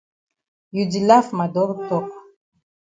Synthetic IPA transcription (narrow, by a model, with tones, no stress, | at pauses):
ju˨di˨la˦fma˨dɔ˦ɾtɔ˦˨k